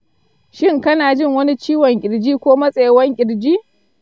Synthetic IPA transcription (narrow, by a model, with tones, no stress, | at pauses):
ʃɪ˦ŋkɐ˦naː˨d͡ʒɪ˦ŋwɐ˦ni˦t͡ʃiː˦wɔ˨ŋkʲʼɪ˨ɽd͡ʒiː˦kʷoː˦mɐ˦sʼe˨jwɐ˦ŋkʲʼɪ˨ɽd͡ʒiː˦